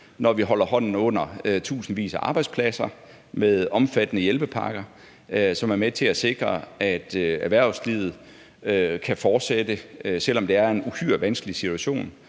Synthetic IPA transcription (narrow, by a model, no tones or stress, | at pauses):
nɒʋiɦɒ̽lɐhɒ̽n̰n̩ɔ̽n̰ɐøt͡sʰṵːsn̩ʋḭːsæʔɑ̈ːb̥ɑ̈ɪd̥spʰlæsɐ | meðˠɒ̽mfæd̥ənəjelb̥əpʰɑ̈ɡ̥ɐ | sɒ̽mæɐmet͡sʰe̝æse̝ɡ̥ʁɐæd̥æʋæɐ̰slið̞̩ˠ | kʰæfɒːd̥sed̥əsel̰ɒ̽md̥e̝æɐe̝nuhyɐ̰ʋænsɡ̥əlisit͡sʰuæɕo̝̰ːn